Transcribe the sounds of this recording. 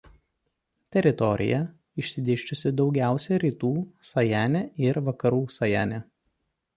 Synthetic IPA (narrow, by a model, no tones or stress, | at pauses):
t̪ʲɛɾʲɪt̪ɔɾʲɪ̰jɛ | ɪʃʲsʲɪd̪ʲeːʃʲt͡ʃʲʊsʲɪd̪ɒʊɡʲæˑʊsʲɛɾʲiːt̪uːsɐjæːnʲɛʔɪɾʋɐkɐɾuːsɐjæ̰ːnʲɛ